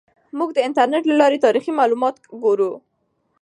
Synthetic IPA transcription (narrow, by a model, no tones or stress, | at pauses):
muɡd̪əɪntaɾneʈlalɑɾet̪ɑɾiximɑlumɑt̪ɡoɾu